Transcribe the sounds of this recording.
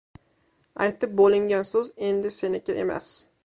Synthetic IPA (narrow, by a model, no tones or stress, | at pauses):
a̰jt̪ɪp̚bolɪŋɡʲansoze̞nd̪ɪse̞nɪkʲaʔe̞ma̰s